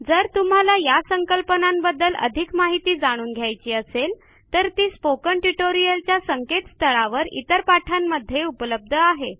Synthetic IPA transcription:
d͡zəɾt̪um̤alajasəŋkəlpənambəd̪ːələ̰d̪ʱikmaɦit̪iːd͡zaɽ̃uːnɡʱjajt͡ɕiːəsel | t̪əɾt̪iːspokəɳʈiʈoɾijəlt͡ɕjasəŋket̪st̪ʰəɭaʋəɾḭt̪əɾpaʈʰamːəd̪ʱːjeupələb̚d̪ʱəaɦe

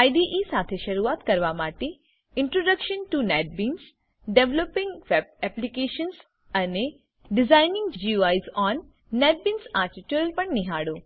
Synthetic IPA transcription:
ajɖiʔisaːt̪ʰeʃɐɾuaːt̪kɐɾʋamaːʈe | ɪɳʈɾoɖəkʃənʈunɛːʈ̚biːns | ɖeʋlopɪ̃ŋɡʋɛb̚ɛplikeːʃəns | ɐne | ɖɪzaːɪnɪ̃ŋɡd͡ʒiuaːjzɔːnː | ɛːʈ̚bĩːnsaːɾʈiʈjuɾəlpɐɳniɦaːɽoː

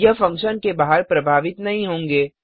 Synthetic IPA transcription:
jɐfɐ̃ŋkʃənkebaɦəɾpɾɐbʱaːʋɪt̪nɐɦĩɦõːŋɡeː

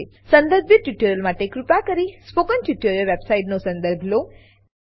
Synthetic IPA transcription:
sə̃nd̪əɾbʱit̪̚ʈjuʈəɾjəlmaʈekɾupakəɾispokənʈjuʈəɾjəlʋebsaiʈnosə̃nd̪əɾbʱlo

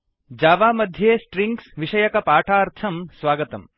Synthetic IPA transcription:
d͡ʒaːʋaːmɐd̪ʱjeːsʈɾiŋɡsʋiʃɐjɐkɐpaːʈʰaːɾt̪ʰɐmsʋaːɡɐt̪ɐm

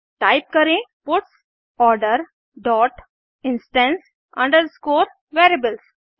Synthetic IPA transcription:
ʈaɪp̚kəɾẽpʊʈs | ɔːɾɖəɾ | ɖɔːʈ | ɪ̃nsʈə̃ns | ʌ̃ɳɖəɾskoːɾ | ʋeːɾebəls

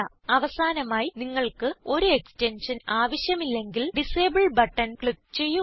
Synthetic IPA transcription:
ɐ | ɐʋɐsaːnɐmaːjiniŋːɐɭkɨo̞ɾue̞kstenʂɐnaːʋɐɕjɐmilːe̞ŋɡilɖiseːbiɭbɐʈːɐnkɭik̚t͡ɕe̞jːu

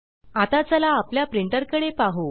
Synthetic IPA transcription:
at̪at͡səlaːpljapɾiɳʈəɾkəɽepaɦo

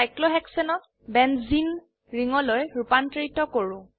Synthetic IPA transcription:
ajklɔɦɛksɔnɔ | bɛnzin | ɹiŋɔlojɹupantɹitɔkoɹʊ̃

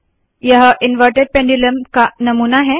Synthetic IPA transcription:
jəɦəʔinʋəɾʈeɖ̚pẽɳɖiləmkanəmunaɦe

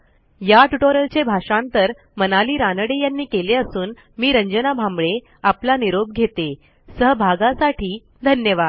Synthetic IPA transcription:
jaʈuʈoɾəlt͡ɕebʱaʂãnt̪əɾ | mənaliːɾanəɽejanːiːkeleəsuːn | miːɾəɲd͡ʑənabʱambɭe | aplaniɾob̚ɡʱet̪e | səɦbʱaɡasaʈʰiː | d̪ʱənjəʋad̪

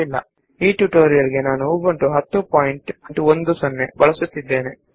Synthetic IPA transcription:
ilːɐ̰ | iːʈjuʈoːɾijɐɾiɡe̞naːnuuɡɐɳʈuɦɐt̪ːupaːjiɳʈɐɳʈuond̪usɐnːebɐɭɐsut̪ːid̪ːe̞ːne

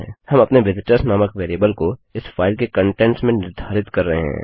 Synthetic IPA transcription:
hɐmɐpneʋɪd̪ʈəsnaːməkʋeːɾjeːbəlkoɪsfaːɪlkekɐ̃ɳʈẽːɳʈsmẽnɪɾd̪ʱaːɾɪt̪kɐɾːɐɦeɦɛ̰̃ː

